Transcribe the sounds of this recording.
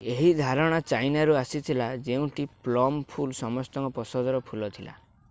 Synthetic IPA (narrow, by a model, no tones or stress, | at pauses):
eɦid̪ʱaɾɔɽ̃at͡ʃajnaɾuasit̪ʰilad͡ʒeũʈiplɔmpʰulsɔmɔst̪ɔŋkɔpɔsɔd̪ɔɾɔpʰulɔt̪ʰila̰